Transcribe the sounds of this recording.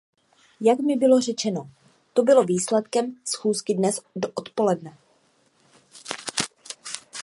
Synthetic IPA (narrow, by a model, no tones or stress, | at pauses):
jakmɪbɪlo̞r̝ɛt͡ʃɛno̞ | t̪o̞bɪlo̞viːslɛt̪kɛmsxuːskɪdnɛsdoʔot̪po̞lɛdnɛ